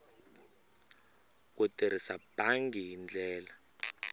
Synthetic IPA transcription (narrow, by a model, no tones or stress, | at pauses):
k̬uteɾ̤isab̥ʱaŋɡiɦind͡ɮʱɛːla